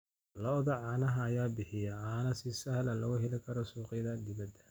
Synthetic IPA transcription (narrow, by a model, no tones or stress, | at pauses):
lɔðɐʕɑːnɐɦɐːjaːbɪħɪjɐʕaːnɐsɪsɐhlɐlɐɣʊɦɛlɪkʰɐɾɔsuːqɪðɐd̪ɪβɐd̪ɐ